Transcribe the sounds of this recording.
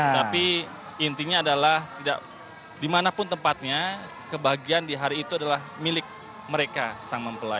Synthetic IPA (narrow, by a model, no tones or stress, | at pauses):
t̪api | int̪iɲaːdalaht̪ida̰ʔ | dimanapʊnt̪əmpat̪̚ɲa | kəbaɦaɡiandiɦaɾiːt̪uadalahmilɪk̚ | məɾekasaŋməmpəla